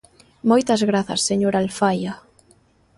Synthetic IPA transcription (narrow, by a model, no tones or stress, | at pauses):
mojt̪azɣɾaθa̰sːeɲoɾalfaja